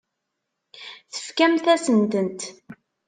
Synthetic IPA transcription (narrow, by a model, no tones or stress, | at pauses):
θə̥fkæmθæsənt̪ənt̪